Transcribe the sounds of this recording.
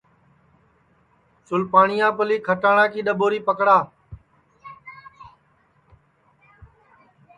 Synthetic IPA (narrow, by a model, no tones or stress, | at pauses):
sʊlpaːɳɪjãːpəliːkʰəʈaːɳãːkiːɗəɓoːɾiːpəkɽaː